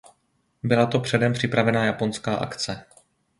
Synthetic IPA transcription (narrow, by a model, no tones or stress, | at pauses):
bɪlat̪o̞pr̝̥ɛdɛmpr̝̥ɪpɾavɛnaːjapo̞nskaːʔa̰kt͡sɛ